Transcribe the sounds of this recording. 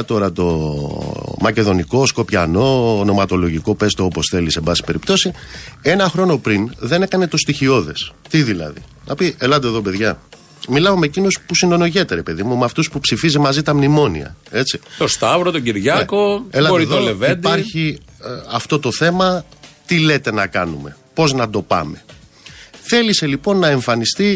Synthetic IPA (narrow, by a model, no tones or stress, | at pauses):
t̪o̞ɾɐt̪o̞ | mɐce̞ðo̞niko̞sko̞pçɐno̞no̞mɐt̪o̞lo̞ʝiko̞pe̞st̪oopo̞sθe̞lisebɐsi̥pe̞ɾipt̪o̞sie̞nɐxɾo̞no̞pɾinðe̞ne̞kɐne̞t̪o̞st̪içio̞ðe̞st̪iðilɐ̰ðḭnɐpiʔelɐnd̪eðo̞pe̞ðʝɐ | milɐomeecino̞spusino̞no̞ʝet̪eɾe̞pe̞ðimumeɐft̪uspupsifizemɐzit̪ɐmnimo̞nḭɐ̰e̞t͡sit̪ost̪ɐvɾot̪oɟiɾʝɐekoelɐoɾiðolevend̪ɐɾçiɐft̪o̞t̪oθe̞mɐt̪ile̞t̪e̞nɐkɐ̰nume̞ | po̞znɐd̪o̞pɐ̰me̞ | θe̞lise̞lipo̞nːɐe̞ɱfɐnist̪i